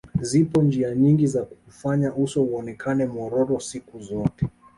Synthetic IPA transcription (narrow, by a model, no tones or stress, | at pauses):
zipɔnd͡ʒiaɲiŋɡizaku̥ufaɲaʔusɔuɔnɛkʰanɛmɔɾɔɾɔsikuzɔtɛ